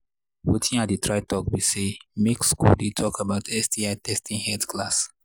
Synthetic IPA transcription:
wutʰĩŋatdətʰɹaɪtɔk̚bisemekskṵldetʰɔkabaʊtʰɛsdiaɪtʰɛstʰĩŋhɛtkʰlas

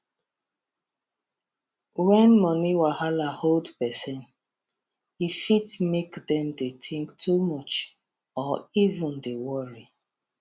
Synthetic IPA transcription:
wɛ̃nmɔniwahalaholdpɛsɛ̃n | ifitmekdɛmdetʰĩŋktʰumɔt͡ʃ | ɔivũndewɔɹi

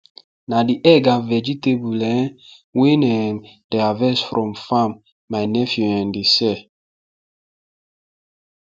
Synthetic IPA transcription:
nadiʔɛɡãvɛd͡ʒitebulɛ̃n | wẽnɛ̃ŋd̥ɛavɛsfɹʔɔ̃mfãmː | ajnɛfjuɛ̃ndisɛ

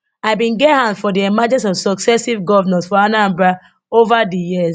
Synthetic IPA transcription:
aɪbĩnɡɛthãndfɔdiɛmad͡ʒɛ̃nsɔvsɔksɛsivɡɔvanɛ̃ntfɔanãmba | ovadijiz

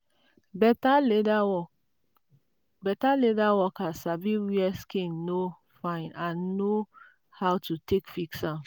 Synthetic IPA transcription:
bɛtaledaɔ | bɛtaledawɔkasabiwiɛskĩnno | fãɪ̃nãnːo | hawtʰutʰekfiksãm

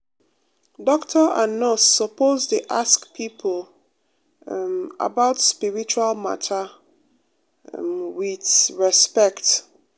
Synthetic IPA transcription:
dɔktʰəanɔsɔpoztuʔaskpʰipʰl | a̰baʊtspiɹit͡ʃualma̰tʰə | wiθɹɛspɛkt

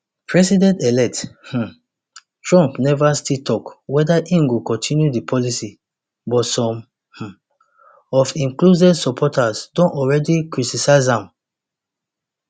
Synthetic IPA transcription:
pɹɛsidɛ̃ntɛlɛk̚th̩ | tɹɔ̃mpnɛvastitʰɔkwɛdaʔĩŋɡokɔ̃ntʰĩnjudipʰɔlisi | bɔtsɔ̃m | h̩ | ɔfĩŋkluzɛdsɔpʰɔtʰasdõnɔɹɛdikɹitisaɪzãm

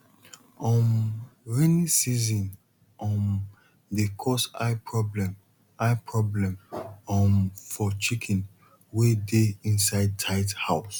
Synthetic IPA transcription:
ɔ̃mɹinĩsizɔ̃n | ʔɔ̃n | dekʰɔsa̰ɪpʰɹɔblɛ̃m | aɪpʰɹɔblɛ̃mɔ̃mfɔt͡ʃikʰɛ̃n | wedeĩnsaɪd̚tʰaɪdhaʊs

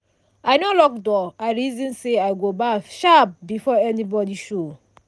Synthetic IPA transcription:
aɪnolɔk̚dɔaɪɹizɔ̃nseaɪɡobaʃap̚bifɔɛnibɔdiʃo

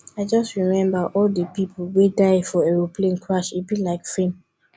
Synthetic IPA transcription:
aɪd͡ʒʌstɹimɛ̃mbəʔɔldəpipʰolwedaɪfɔɛɹopʰlẽnkʰɹaʃitbilaɪkfẽm

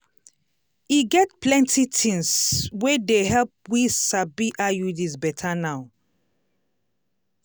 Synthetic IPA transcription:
iɡɛtplɛ̃ntʰitʰĩŋswedeɦɛlp̚wisabiʔajudizbɛtʰanaʊ

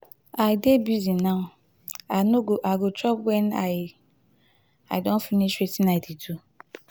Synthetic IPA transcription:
aɪdebizinaʊ | anoʔaɡʊt͡ʃɔpwɛnaɪ | a̰ɪdõn̩finiʃetinatitu

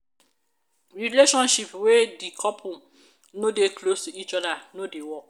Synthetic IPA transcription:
ɹileʃɔ̃nʃipwedikʰɔpʰũ | nodeklostuit͡ʃɔdanodewɔk

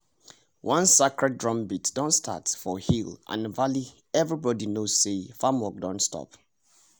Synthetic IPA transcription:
wʔɔ̃nsekɹɛd̚dɹɔ̃mbitd̥ɔ̃ntstʰa̰tfɔhilʔã̰nvali | ɛvɹibɔdinoz̥sefamwɔk̚dɔ̃ntstʰɔ̰p

